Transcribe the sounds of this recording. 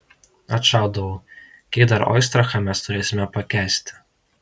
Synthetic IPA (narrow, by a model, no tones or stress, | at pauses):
ɐt̪ʃɑˑʊd̪ɐʋo | kʲɛɪd̪ɐɾɔ̰ɪst̪ɾɐxɐmʲæst̪ʊɾʲeːsʲɪmʲɛpɐkʲæːsʲt̪ʲɪ̥